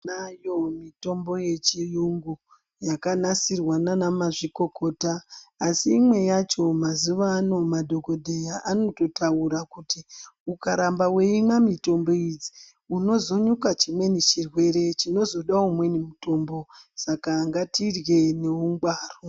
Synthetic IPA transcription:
najo̞mito̞mbo̞jet͡ʃijuŋɡu | jakanasirwananamaʐiko̞ko̞ːtaːsiːmwe̞jat͡ʃo̞mazuʋano̞madʱo̞ko̞dʱejaʔano̞to̞tauɾakutiukaɾambaweimamito̞mbo̞id͡zi | uno̞zo̞ɲukat͡ʃimwe̞nit͡ʃirwe̞ɾe̞t͡ʃino̞zo̞ɗaumwe̞nimuto̞ːmbo̞sakaŋɡatirɣe̞neuŋɡwaːro

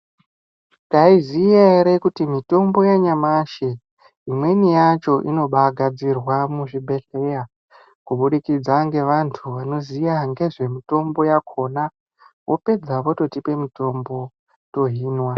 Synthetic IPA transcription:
taizijaeɾe̞kutimito̞mbo̞jaɲamaʃe | imwe̞nijat͡ʃo̞ʔino̞ɓaɡʱad͡zirwamuʐibʱe̞ɬe̞ja | kuɓuɗikid͡zaŋɡe̞ʋantʰuʋano̞zijaŋɡe̞ʐe̞mito̞mbo̞jakʰo̞na | wʔo̞pe̞d͡zaʋo̞to̞tipe̞mito̞mbo̞ | to̞ɦiːnwa

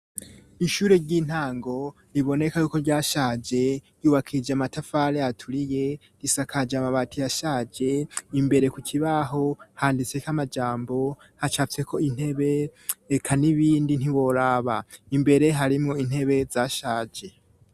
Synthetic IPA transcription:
iʃuːɾeɾɟin̥haːŋɡo̞ | ɾiβo̞ne̞kajuːko̞ɾɟaːʃaːd͡ʒe̞juːβakʰid͡ʒeamatafaɾeatʰuɾije̞ | d̥isakʰad͡ʒamaβatʰijaʃaːd͡ʒe̞imbe̞ɾe̞kucʰiβaɦo̞haːndit͡se̞kʰamad͡ʒaːmbo̞ | hat͡ʃaːft͡se̞kʰo̞in̥he̞βe̞ːkʰaniβiːndin̥iwo̞ɾaːβaimbe̞ɾe̞ɦaɾimŋoin̥he̞βe̞zaːʃaːd͡ʒe̞

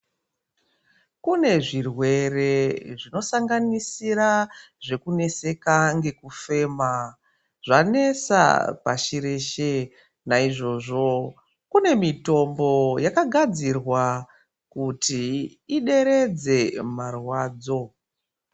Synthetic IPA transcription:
kune̞ʐirwe̞re̞ʐino̞saŋɡanisiɾaʐe̞kune̞se̞kaŋɡe̞kufe̞ːma | ʐane̞sa̰pa̰ʃiɾeːʃe | naiʐo̞ʐo̞ | kune̞mito̞mbo̞jakaɡʱad͡zirwa | kutiː | ɗe̞ɾe̞d͡ze̞marwaːd͡zo̞

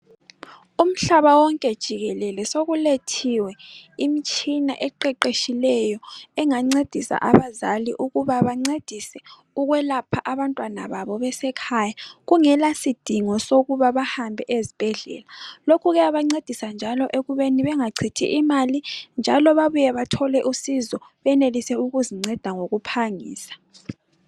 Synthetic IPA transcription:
um̩ɬaβawɔŋkʼɛd̥ʒ̥ʱiɣɛlɛlɛsoɣuletʰiwɛimit͡ʃʼina̰ʔɛǃɛǃeʃilɛjɔɛŋaŋ͡ǀed̥ʱisa̰ʔaβazaliʔuɣuβaβaŋ͡ǀed̥ʱisɛ | uɣwɛlapʰaʔaβantʼwana̰βaβɔβɛsɛkʰajaɣuŋɛlasid̥ʱiŋɔsoɣuβaβahambʱɛʔezib̥ʱɛɮɛ̰ːlalokʰuɣɛaβaŋ͡ǀed̥ʱisand͡ʒʱalɔʔeɣuβeniβɛŋaǀʰitʰḭʔimalind͡ʒʱalɔβaβujɛβatʰɔlɛʔusizɔβɛnelisɛuɣuziŋ͡ǀɛd̥ʱaŋoɣupʰaŋḭːsḁ

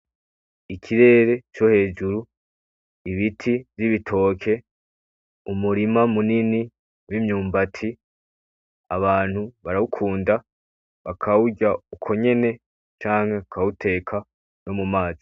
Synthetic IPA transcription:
ikʰiɾe̞ːɾe̞t͡ʃo̞he̞ːd͡ʒuɾu | iβitʰiviβitʰo̞ːkʰe̞ | umuɾimamunini | wimɲuːmbatʰi | aβaːn̥huβaɾaukʰuːnda | βakʰauɟaukʰo̞ɲe̞ne̞ | t͡ʃaːŋhe̞kautʰe̞ːkʰa | no̞mumaːzi̥

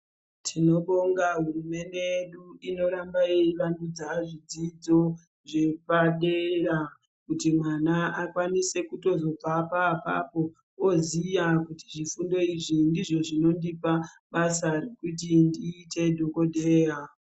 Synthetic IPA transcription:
tʰino̞ɓoŋɡaɦurume̞nde̞jeɗuino̞ɾambaiʋandud͡zaʐid͡zid͡zo̞ | ʐe̞paɗeɾa | kutimwanaakwanise̞kuto̞zo̞b͡vapapa̰po̞ | ozijakuti̥ʐifundo̞iʐindiʐo̞ʐino̞ndipa | ɓasarekut̬indiːtʰe̞dʱo̞ko̞dʱe̞ːja

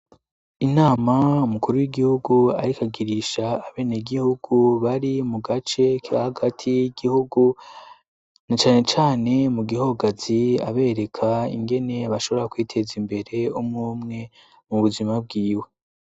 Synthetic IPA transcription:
inaːmaumukuɾuwiɡihuɡua̰ɾikaɡiɾiʃaːβe̞ːneɡihuɡuβaɾimuɡat͡ʃe̞kiɾahaɡatʰijiɡihuɡu | nat͡ʃaːne̞t͡ʃaːne̞muɡiho̞ɡaz̥ia̰βe̞ːɾe̞kʰaḭŋɡe̞ne̞βaʃo̞βoɾakwiːtʰe̞zimbe̞ɾe̞umŋuːmŋe̞ | muβuzimab̚ɡiːwe̞

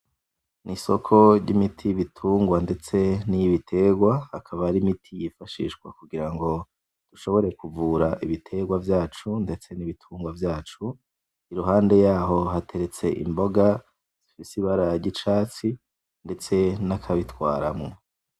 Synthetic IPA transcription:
niso̞kʰo̞ɟɟimitʰiβitʰuːŋɡwande̞t͡se̞nijiβitʰe̞ɡwahakʰaβaɾimitʰijifaʃḭːʃkwa̰kuɡiɾaŋɡo̞ | d̥uʃo̞βo̞ɾe̞kuvuːɾaʔiβitʰe̞ɡwavjaːt͡ʃunde̞t͡se̞niβitʰuːŋɡwavjaːt͡ʃu | iɾuɦaːnde̞jaːɦo̞ɦate̞ɾe̞t͡se̞ʔḭmbo̞ɡa | z̥ifisiβaɾaɟit͡ʃaːt͡si | nde̞t͡se̞nakʰaβitwaːɾamŋo

